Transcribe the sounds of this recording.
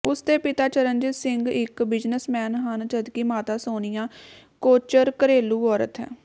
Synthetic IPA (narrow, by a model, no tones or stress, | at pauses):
ʊst̪eːpɪt̪aːt͡ʃəɾəɲd͡ʒəsɪŋɡɪkbɪd͡ʒnəsmɛːnɦənt͡ʃəd̪kiːmaːt̪aːsoːnɪjãː | koːt͡ʃəɾkəɾeːluːɔːɾə̰t̪ɦɛ̰ː